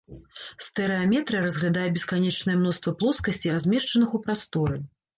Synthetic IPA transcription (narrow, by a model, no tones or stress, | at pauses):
st̪ɛɾɛamʲɛt̪ɾɨjɐɾɐzɣlʲad̪ajɛbʲɛskanʲɛt͡ʂnɐjɛmnɔst̪vɐplˠɔskɐsʲt͡sʲiɾazʲmʲɛʂt͡ʂɐnɨxupɾast̪ɔɾɨ